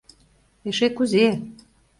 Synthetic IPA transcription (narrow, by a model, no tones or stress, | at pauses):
eʃekuze